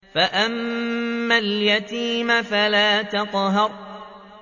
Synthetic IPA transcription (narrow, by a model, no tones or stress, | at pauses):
faʔamː | aljat̪iːmafalaːt̪ɑqɦɑɾ